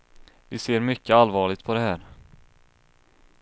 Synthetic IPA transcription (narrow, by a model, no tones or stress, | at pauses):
vɪseːɾmʏkːəalːvɑːɭɪɡ̚t̪̚pʰɔd̪ɛhæːɾ